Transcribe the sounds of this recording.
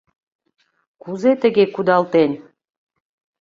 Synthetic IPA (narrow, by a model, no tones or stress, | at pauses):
kuzet̪ə̆ɡekud̪ɑlˠt̪enʲ